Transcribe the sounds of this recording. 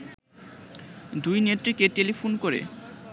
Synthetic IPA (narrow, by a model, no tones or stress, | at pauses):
d̪ujneʈ̪ːɾikeʈelifʰonkoɾḛ